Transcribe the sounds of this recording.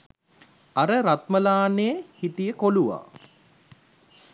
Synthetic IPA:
aɾəɾat̪məlaːnejəhiʈijəkoluʋa̰ː

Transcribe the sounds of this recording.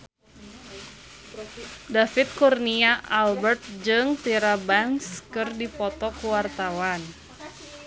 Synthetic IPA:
dafit̪̚kurniaʔalbərt̪̚d͡ʒɨŋt̪iɾabaŋskɨrdipɔt̪ɔkuwart̪awan

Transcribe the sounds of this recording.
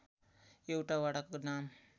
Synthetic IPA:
ewʈaʋaɽakəknam

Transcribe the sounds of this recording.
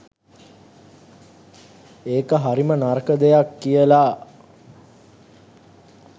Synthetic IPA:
eːkəɦaɾimənarkəd̪ejakːijəla

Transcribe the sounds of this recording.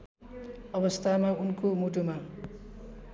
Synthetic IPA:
ʌbʌst̪ʰamaunkomuʈuma

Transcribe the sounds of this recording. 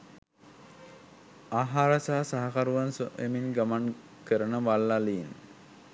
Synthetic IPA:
aːɦaːɾasaɦasaɦakaɾuʋansoʔḛminɡaman | kəɾənəʋalːalin

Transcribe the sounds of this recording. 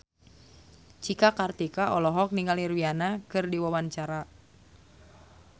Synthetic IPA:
t͡ʃikakart̪ikaʔɔlɔɦɔk̚niŋɡalirwianakɨrdiwawant͡ʃaɾa

